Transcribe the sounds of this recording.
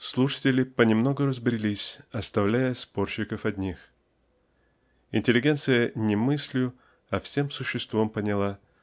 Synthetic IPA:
slˠuʂə̥tʲɪlʲɪpənʲɪmno̞ɡʊɾəzbɾʲɪlʲisʲɐst̪ɐvlʲæjəspo̞rɕɪkəfɐdʲnʲix | ɪ̰nʲtʲɪlʲɪɡʲe̞nt̪sɨjənʲɪmɨsʲlʲʊ | ɐfsʲe̞msʊɕːɪst̪vompənʲɪlˠa

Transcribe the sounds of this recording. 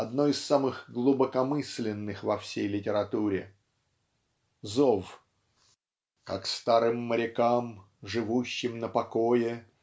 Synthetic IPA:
ɐd̪no̞ɪsːamɨɣɡlˠʊbəkɐmɨsʲlʲɪnːɨxvɐfsʲejlʲɪtʲɪɾɐt̪uɾʲɪ | zof | kakst̪aɾɨmːəɾʲɪkam | ʐɨvuɕːɪmnəpɐkojɪ

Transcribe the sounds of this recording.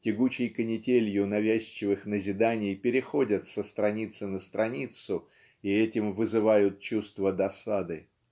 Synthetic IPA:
tʲɪɡut͡ɕɪjkənʲɪtʲelʲjʊnɐvʲæɕt͡ɕːɪvɨxnəzʲɪd̪anʲɪjpʲɪɾʲɪxo̞dʲət̪səst̪ɾɐnʲit̪sɨnəst̪ɾʔɐnʲit̪sʊ | iɛtʲɪmvɨzɨvajʊt̪̚t͡ɕust̪vəd̪ɐsad̪ɨ

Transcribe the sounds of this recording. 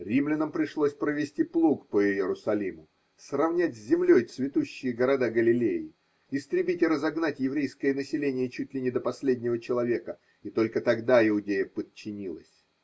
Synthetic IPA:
ɾʲimlʲɪnəmpɾʲɪʂlˠosʲpɾəvʲɪsʲtʲiplˠukpəɪjjɪɾʊsɐlʲimʊ | srɐvnʲætʲzʲzʲɪmlʲojt̪svʲɪt̪uɕːɪjəɡəɾɐd̪aɡəlʲɪlʲejɪ | ɪst̪ɾʲɪbʲitʲɪɾəzɐɡnatʲjɪvɾʲejskəjənəsʲɪlʲenʲɪjət͡ɕut̚ʲlʲɪnʲɪd̪əpɐsʲlʲedʲnʲɪvət͡ɕɪlˠɐvʲe̞kə | it̪o̞lʲkət̪ɐɡd̪aɪʊdʲejəpət̚t͡ɕːɪnʲilˠəsʲ

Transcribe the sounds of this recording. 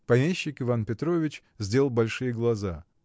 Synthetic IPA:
pɐmʲeɕːɪkɨvanpʲɪt̪ɾo̞vʲɪt͡ɕ | zʲdʲe̞lˠbɐlʲʂɨjəɡlˠɐza

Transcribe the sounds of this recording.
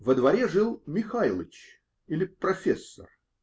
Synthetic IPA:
vəd̪vɐɾʲeʐɨlˠmʲɪxalˠət͡ɕ | ilʲɪpɾɐfʲesːə̰r

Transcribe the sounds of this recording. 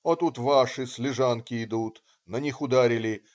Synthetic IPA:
ot̪ut̪vaʂɨsʲlʲɪʐankʲɪɪd̪ut̪ | nɐnʲixʊd̪aɾʲɪlʲɪ

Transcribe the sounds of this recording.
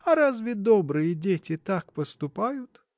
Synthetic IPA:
ɐɾazvʲɪd̪obɾɨjədʲetʲɪt̪akpəst̪ʊpajʊt̪

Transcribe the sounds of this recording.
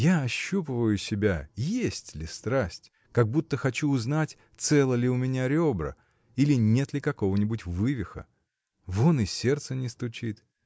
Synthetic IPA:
jaɐɕːupəvəjʊsʲɪbʲajesʲtʲlʲɪst̪ɾasʲtʲ | kɐɡ̚but̪ːəxɐt͡ɕuːznatʲ | t̪sɛlˠəlʲɪʊmʲɪnʲaɾʲobɾə̰ | ilʲɪnʲe̞t̪lʲɪkɐko̞vənʲɪbʊtʲvɨvʲɪxə̰ | vonɨsʲe̞rt̪sənʲɪst̪ʊt͡ɕit̪

